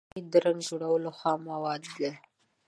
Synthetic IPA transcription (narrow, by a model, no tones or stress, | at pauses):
id̪əɾaŋɡd͡ʒoɽawəloxɑmawɑd̪da